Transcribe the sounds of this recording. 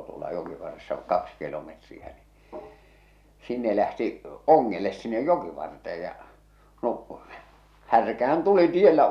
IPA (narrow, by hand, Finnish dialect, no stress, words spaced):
tuolɑ jokiʋɑrːesːɑ kɑks kilometriæ ni sinːe læhti oŋːeles sinːej jokiʋɑrteej jɑ no hærkæhæn tuli tielːæ